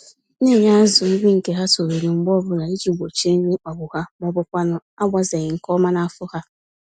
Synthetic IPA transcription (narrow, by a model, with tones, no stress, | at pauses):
ne˦˨ɲ˦a˦zʊ˨ŋ̩˦ɡ͡bi˦ŋ̩˨ke˦ɦa˦so˨ɾo˨nu˨ŋ͡m̩˦ɡ͡bɔ˦bʊ˦la˨i˦d͡ʒi˨ɡ͡bʷo˨t͡ʃi˦e˦ŋ̩˦ne˦k͡pa˨ɡ͡bʊ˨ha˦mɔ˦bʊ˦kʷa˦nʊ˦a˦ɡ͡bʷa˦ze˨ɣɪ˨ŋ̩˨kɔ˦ma˦na˦a˦fʊ˦ha˦